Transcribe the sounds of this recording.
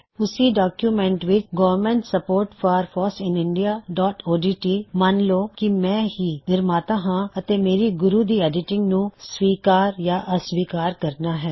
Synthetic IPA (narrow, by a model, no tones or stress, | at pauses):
ʊsiɖaːkjumɛ̃ːɳʈʋɪt͡ʃɡɔːʋəɾmɛ̃ɳʈsəpoːɾʈfʰaːɾfʰɔːsɪ̃nɪ̃ɳɖijaːɖɔːʈoːɖiːʈiːmanloːkimɛ̃ːɦiːnɪɾmaːt̪aɦãɐt̪eːmeːɾiɡʊɾuːd̪iːɛːɖɪʈɪ̃ŋɡnũsʋiːkaːɾjaːʔəsʋiːkaːɾkəɾnaːɦɛː